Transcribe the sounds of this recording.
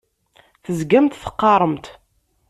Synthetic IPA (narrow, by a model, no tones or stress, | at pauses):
θəzɡæmt̪θə̥qːɑɾˤəmt̪